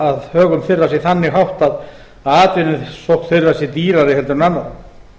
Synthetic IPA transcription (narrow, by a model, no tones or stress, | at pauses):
aðhœːɣʏmθɪrːasjɛθanːɪɣɦawht̪að | aːt̪vɪnɪsowhkt̪θɪrːasjɛt̪iːɾaɾɪhɛlt̪ʏɾnanːaw